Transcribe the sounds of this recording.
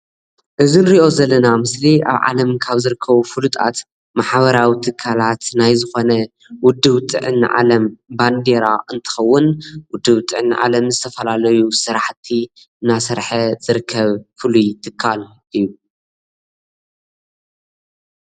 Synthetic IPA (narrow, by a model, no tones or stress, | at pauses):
ʔɨzinɨɾiʔo̞zɐlːɐnamɨslia̰βʕa̰lɐmkʰaβzɨɾɨkʰːɐβufɨlut̪ʼa̰t̪ | maħβɐɾawit̪ʰɨkʰːalat̪najzɨxo̞nɐ | wʊd̪ːɨβt̪ʼɨ̰ʕɨnːʕa̰lɐmband̪eɾaʔɨnt̪ʰɨ̥xɐwːʊnwʊd̪ːɨβt̪ʼɨʕɨnːʕa̰lɐmzɨt̪ʰɐfɐlalɐjusɨɾaħt̪ʰːi | ɨnasɐɾħɐz̥ɨɾɨkʰːɐβfɨlujt̪ʰɨkʰːal | ʔɨjːu